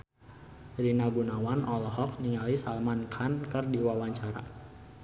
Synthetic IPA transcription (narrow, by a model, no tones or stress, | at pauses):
rinaɡunawanʔɔlɔɦɔk̚niŋalisalmankʰankərdiwawaɲt͡ʃaɾa̰